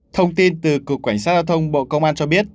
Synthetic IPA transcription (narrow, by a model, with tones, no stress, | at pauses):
t̪ʰə˧wŋ͡mt̪i˧nt̪ɨ˨˩ku˨˩əkwa˧˩j̟sa˦˥t̚zaː˧wt̪ʰə˧wŋ͡mɓo̰˧˨kə˧wŋ͡mʔaː˧nt͡ɕɔ˧ɓi˦˥ət̚